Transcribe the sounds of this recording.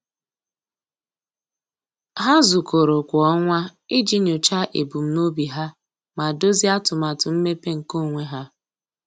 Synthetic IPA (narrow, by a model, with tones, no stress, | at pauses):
ɦa˦zʊ˨ko˨ɾo˨kʷɔ˦ŋʷa˦i˦d͡ʒi˦no˨t͡ʃa˦ʔḛ˨bu˨m̩˦no˦bi˨ɦa˦ | ma˨do˦zi˦a˦tʊ˨ma˨tʊ˨m̩˦me˦pe˦ŋ̩˨ko˦˨ŋʷe˦ɦa˦